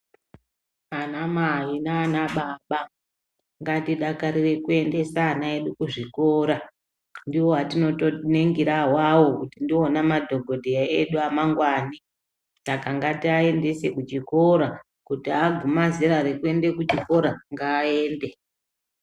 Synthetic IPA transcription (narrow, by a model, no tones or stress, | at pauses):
anamaɦinaːnaɓaɓa | ŋɡatiɗakaɾire̞kue̞nde̞saːnae̞ɗukuʐiko̞ːɾa | ndiwo̞ɦatino̞to̞ne̞ŋɡiɾaɦwawokutindionamadʱo̞bʱo̞dʱejaeɗuamaŋɡwaːni | sakaŋɡatiae̞nde̞sekut͡ʃiko̞ɾa | kutiaɡʱumaziɾaɾekue̞nde̞kut͡ʃiko̞ɾaŋɡaːe̞ːnde̞